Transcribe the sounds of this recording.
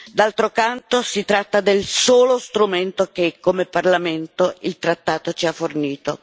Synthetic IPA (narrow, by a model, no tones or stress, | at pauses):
d̪alt̪ɾokant̪osit̪ɾat̪ːad̪elsoːlost̪ɾument̪ok̟ekːomeparlament̪oilt̪ɾat̪ːaːt̪ot͡ʃiafːorniːt̪o